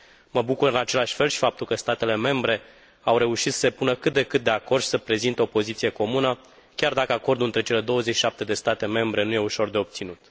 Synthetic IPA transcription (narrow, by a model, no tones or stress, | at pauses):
məbukuɾɨnat͡ʃe̞laʃʲfe̞lʃi̥fap̚t̪ulkəst̪at̪e̞le̞me̞mbɾe̞ | awɾe̞uʃit̪sə̥sepunəkɨt̪̚d̪e̞kɨt̪̚d̪e̞ako̞rd̪ʃi̥səpɾe̞zint̪eopo̞zit̪sije̞ko̞munə | kʲard̪akəako̞rd̪ɨnt̪ɾe̞t͡ʃe̞le̞d̪o̞wəzeʃiʃap̚t̪e̞d̪e̞st̪at̪e̞me̞mbɾe̞nuje̞uʃo̞rd̪e̞o̞b̚t̪sinut̪